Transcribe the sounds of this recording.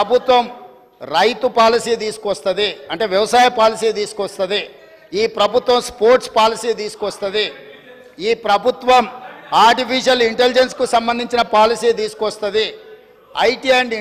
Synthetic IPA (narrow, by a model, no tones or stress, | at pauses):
bʱut̪ʋɐm | ɾɐjt̪upaːlisiːt̪̬iːsu̥kɔst̪ɐd̪iɐɳʈe̞ːʋjɐʋɐsaːjɐpaːlisiːt̪̬iːsu̥kɔst̪ɐd̪i | iːpɾɐbʱut̪ʋɐmspoːɾʈspaːlisiːt̪̬iːsu̥kɔst̪ɐd̪i | iːpɾɐbʱut̪ʋɐmaːɾʈipʰiːʂɐliɳʈelid͡ʒenskusɐmbɐnd̪iɲt͡ʃinɐpaːlisiːt̪iːsu̥kɔst̪ɐd̪i | ɐ̰jʈieɳɖ